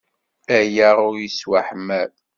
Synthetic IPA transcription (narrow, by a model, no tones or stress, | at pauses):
æjaʁʊɾjiswaħmæɾ